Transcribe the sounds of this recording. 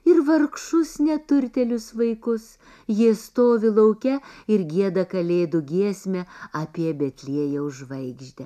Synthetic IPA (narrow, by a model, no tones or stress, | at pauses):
ɪɾʋɐɾkʃʊsnʲɛt̪ʊɾʲt̪ʲɛlʲʊsʋɐɪkʊs | jiɛst̪oːʋʲɪlˠɐʊkʲɛɪɾɡʲiɛd̪ɐkɐlʲeːd̪ʊɡʲiɛsʲmʲɛɐpʲiɛbʲɛt̪ʲlʲiɛjɛʊʒʋɐɪɡʒʲd̪ʲɛ